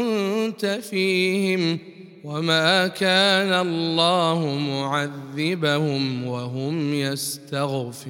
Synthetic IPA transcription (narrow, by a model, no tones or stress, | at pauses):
ʊnt̪afiːhɪm | wamaːkaːnaʔɑlːɑːhʊmʊʕaðːɪbahʊmwaɦʊmjast̪aɣfɪ